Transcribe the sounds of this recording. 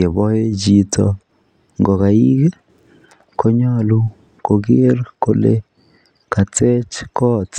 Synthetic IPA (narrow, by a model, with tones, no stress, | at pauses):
e˨bɔ˦e˦d͡ʒi˨tʰɔ̰˨ | ŋɡɔ˨ka˨i˦ɡe˦ | ko˦ɲa˦lu˦ | ko˨ɡɪ˦rko˨le˦ | ka˨t͡se˦t͡ʃkɔ˦˨t